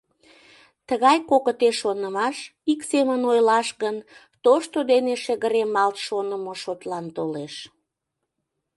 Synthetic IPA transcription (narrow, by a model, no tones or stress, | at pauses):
t̪əɣɑjkokət̪eʃːonəmɑʃiksemənojlɑʃɣən | t̪oʃt̪od̪eneʃəɣəɾemɑlt̪ʃonəmoʃot̪lɑnt̪oleʃ